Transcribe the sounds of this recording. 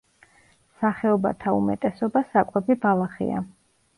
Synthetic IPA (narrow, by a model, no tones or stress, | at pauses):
saχɛɔba̰t̪ʰaumɛ̰t̪ʼɛsɔbasakʼwɛbibalˠaχḭa̰